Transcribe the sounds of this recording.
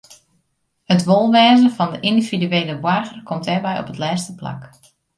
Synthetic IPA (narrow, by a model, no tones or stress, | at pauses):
ətʋolˠʋɛːzənfɑndəʔindividyeːləʋwarɣərkʰɔmtɛrbɛjɔ̰pətlɛːstəpla̰k